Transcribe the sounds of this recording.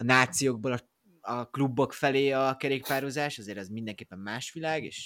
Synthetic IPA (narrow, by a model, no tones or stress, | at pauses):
ɒnaːt̪sijoːɡ̚boːlɒ | ɒklubːo̞kfɛleːɒkɛɾeːkpaːɾozaːʃɒzeːɾɛzmind̪ɛŋkeːpːɛmːaːʃʋilaːɡḛːʃ